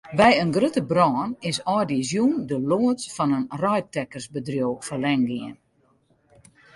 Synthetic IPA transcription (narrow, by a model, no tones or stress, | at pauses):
bɛjənɡrøtəbrɔːnɪsɔjdizjundəloːətfɔnənrɔjtɛkərsbədrjoːwfərlɛŋɡɪən